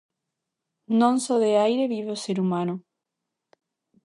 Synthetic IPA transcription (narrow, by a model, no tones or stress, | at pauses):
nõnsoðeajɾeβiβoseɾumãno